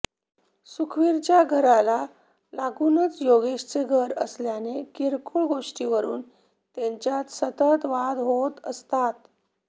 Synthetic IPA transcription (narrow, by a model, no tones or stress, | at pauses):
sukʰʋiɾt͡ɕjaɡʱəɾala | laɡunət͡sjoɡeɕt͡seɡʱəɾəsljanekiɾkuɭɡoʂʈiʋəɾuːn | t̪eɲt͡ɕjat̪sət̪ət̪ʋad̪ɦot̪əst̪at̪